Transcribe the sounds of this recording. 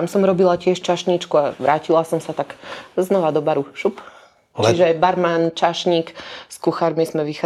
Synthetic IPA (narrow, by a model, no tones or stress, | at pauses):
amsɔmɾɔbilacɪɛʃt͡ʃaʃɲit͡ʃkuaʋɾaːcilasɔmsat̪akznɔʋad̪ɔbaɾuʃup | t͡ʃiʒɛbaɾmant͡ʃaʃɲiːkskuxaɾmizmɛʋixa